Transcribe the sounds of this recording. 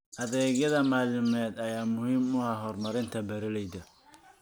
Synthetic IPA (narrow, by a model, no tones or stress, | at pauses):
ʔɐðɛːɣjɐðɐmaːlɪmɛːd̪ɐjaːmʊhiːmʊɦɐɦɔːrmɐɾɪnt̪ʰɐbɛɾɪlɛjd̪ɐ